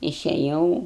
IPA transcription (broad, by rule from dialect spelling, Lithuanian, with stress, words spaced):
ɪʃʲɛˈjɛʊ